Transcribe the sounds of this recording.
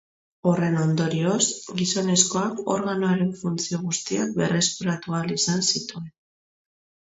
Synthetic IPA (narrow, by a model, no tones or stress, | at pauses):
ore̞no̞nd̪o̞ɾio̞sɡiso̞ne̞sko̞ako̞ɾɣanoaɾe̞ɱfunt͡sio̞ɣ̞ust̪ia̰k̚be̞̰rʔe̞spuɾat̪ualisansit̪ue̞n